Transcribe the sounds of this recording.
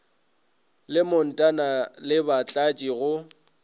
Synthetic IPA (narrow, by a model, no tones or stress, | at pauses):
lɪmʊn̩tʼanalɪbat͡ɬʼat͡ʃʼiɣʊ